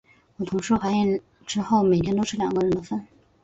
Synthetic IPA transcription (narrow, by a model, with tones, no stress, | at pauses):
wɔ˨˩t̪ʰʊ˧˥ŋʂɻ̩˥xwa˧˥i˥˩ | ʈ͡ʂɻ̩˥xo˥˩ʊme˨˩ɪt̪ʰjɛ˥nt̪o˥ʊʈ͡ʂʰɻ̩˥ljɑ̰˨˩ŋɡə˦ɻə˧˥nd̪ə˧fə˥˩n